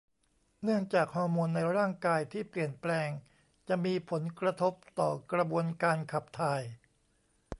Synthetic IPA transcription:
nɯ˥˩əŋt͡ɕaː˨˩k̚hɔː˥˩moː˧nːa˧jɾaː˥˩ŋkaː˧jt̪ʰiː˥˩pli˨˩ənplɛː˧ŋ | t͡ɕa˨˩ʔmiː˧pʰo˩˦nkɾa˧t̪ʰo˦˥p̚t̪ɔː˨˩kɾa˧bu˧ənkaː˧nkʰa˨˩p̚t̪ʰaː˧j

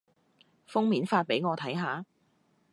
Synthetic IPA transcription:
fʊ˥ŋmiː˨˥nfaː˧t̚pe˨˥jŋɔː˨˧t̪ʰɐ˨˥jɦaː˨˥

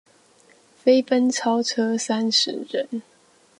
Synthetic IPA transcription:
fe˥ɪpə˦nt͡sʰɑ˥ʊʈ͡ʂʰɤ˥sa˥nʂɻ̩˨˧˥ɻə˨˦n

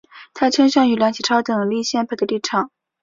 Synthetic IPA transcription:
t̪ʰa˥t͡ɕʰi˥ŋɕɑ˥˩ŋy˧˩ljŋt͡ɕʰi˨˩ʈ͡ʂʰɑ˥ʊt̪ɤ˨˩li˥˧ɕjɛ˥˧npʰa˥˩d̪ə˦li˥˩ʈ͡ʂʰɑ˨˩˦ŋ

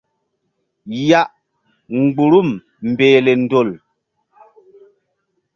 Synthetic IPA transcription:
ja˦ʔ | ŋ̩˨ɡ͡bu˨ɾu˦˨m | m̩˨beː˨le˨n̩˦do˦˨l

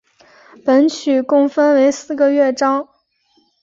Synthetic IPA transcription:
pə˧˥nt͡ɕʰy˨˩kʊ˥˧ŋfə˥nwe˧˥ɪsɹ̩˥˩ɡə˨˧ɥɛ˥˩ʈ͡ʂɑ˥ŋ

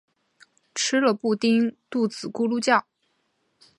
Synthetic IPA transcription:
ʈ͡ʂʰɻ̩˥lə˨pu˥˩t̪i˥ŋt̪u˥˩t͡sɹ̩˨˩ku˥lu˥˧t͡ɕjɑ˥˩ʊ

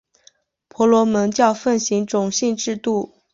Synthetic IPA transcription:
pʰwɔ˧˥lwɔ˧˥mə˧˥nt͡ɕjɑ˥˧ʊfə˥˩nɕi˧˥ŋʈ͡ʂʊ˨˩ŋɕi˥˧nʈ͡ʂɻ̩˥˧t̪u˥˩

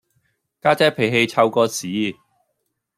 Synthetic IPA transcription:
kaː˥t͡sɛː˥pʰe˨˩jɦe˧jt͡sʰɐ˧wkɔː˧t͡sʰiː˨˥˦

